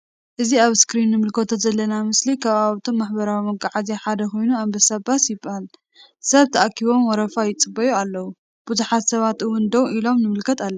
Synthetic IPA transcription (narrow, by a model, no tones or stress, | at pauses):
ʔɨziaβskɾinːɨmɨlkʰɐt̪ʰozɐlːɐnamɨslikʰɐβaβt̪ʰomːaħbɐɾawimɐɡaʕazeħad̪ɐko̞jnuambɐsabasjɪbɨhal | sɐβt̪ʰɐʔakʰːiβo̞mwɔɾɐfajɪt͡sʼɨbɐjualːɐwu | b̥uzuħat̪sɐβat̪ɨwʊnd̪ɐwʔilo̞mnɨmɨlkʰɐt̪alːɐ